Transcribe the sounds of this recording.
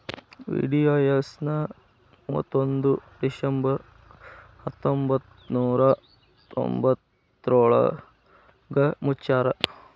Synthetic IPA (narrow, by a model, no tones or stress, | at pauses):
ʋḭːɖiaːjɐsnɐ | muːɐt̪ːond̪ud̪iʃɐmbɐɾ | hɐt̪ːombɐt̪ | nuːɾɐ | t̪o̰mbɐt̪ː | ɾoːɭɐ̰ | ɡɐmutːt͡ʃaːɾɐ